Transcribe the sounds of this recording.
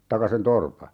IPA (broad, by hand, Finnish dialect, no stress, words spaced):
tɑkɑ sen torpɑ